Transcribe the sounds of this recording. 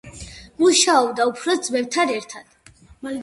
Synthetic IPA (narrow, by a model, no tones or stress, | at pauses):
muʃaɔbd̪aupʰɾɔd̪zmɛvt̪ʰanɛɾt̪ʰad̪̥